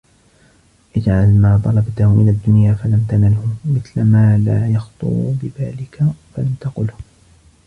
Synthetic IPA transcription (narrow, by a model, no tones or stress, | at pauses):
ʔɪd͡ʒʕalmaːt̪ˤɑlɑbt̪ʊhʊmɪnad̪ːʊnjaːfalamt̪analhʊmɪθlamaːlaːjɑxt̪ˤʊ̰ɾṵbɪðaːlɪkafalamt̪ɑqʊlh